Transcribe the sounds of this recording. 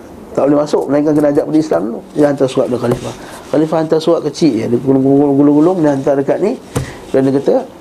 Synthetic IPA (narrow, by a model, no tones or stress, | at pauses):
t̪aʔbolɪhmasʊk̚məlaiŋkankənad͡ʒaʔpadəislamlulahant̪asuaʔ̪̚akalifah | kalifahant̪asuaʔ̚kət͡ʃiʔjadiɡulŋɡuɡulʊŋɡulʊŋɡulʊŋnəhant̪adəkat̪̚ni | kɾanəkət̪ə